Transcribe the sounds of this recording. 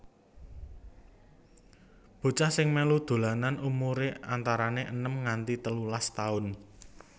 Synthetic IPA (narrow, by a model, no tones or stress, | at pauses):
b̥o̤t͡ʃahsɪŋmelud̪̥o̤lananumuɾeant̪aɾaneʔənəmŋant̪it̪əlulast̪aʊn